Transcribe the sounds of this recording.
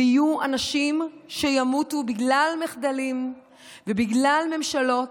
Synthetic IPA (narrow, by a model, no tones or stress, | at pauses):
ijuanaʃimʃejamutubiɡlalmeχd̪alim | vebiɡlalme̞mʃalo̞t